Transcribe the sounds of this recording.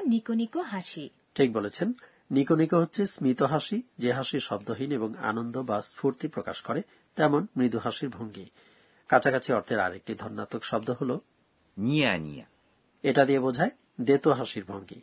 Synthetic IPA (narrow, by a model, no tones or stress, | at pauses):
nikonikoɦaʃi | ʈʰik̚bolet͡ɕʰenː | ikonikoɦotːɕʰesmɾit̪oɦaʃid͡ʑeɦaʃiɾʃɔbd̪oɦineboŋa̰nond̪obaspʰuɾt̪ipɾokaʃkɔɾe | t̪ɛmonmɾid̪uɦaʃiɾbʱoŋɡi | kat͡ɕʰakat͡ɕʰiɔɾt̪ʰeɾa̰ɾḛk̚ʈid̪ʱɔɾnːat̪okʃɔb̚d̪oɦolo | nijanḭja̰ | eʈad̪iebod͡ʑʱae | d̪et̪oɦaʃiɾbʱoŋɡḭ